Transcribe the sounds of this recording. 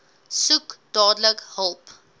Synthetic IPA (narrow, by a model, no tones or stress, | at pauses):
sukd̥ɑːdləkhəlˠp